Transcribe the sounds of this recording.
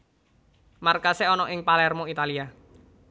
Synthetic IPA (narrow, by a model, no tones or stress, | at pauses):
markaseɔnɔʔɪŋpalɛrmɔit̪alia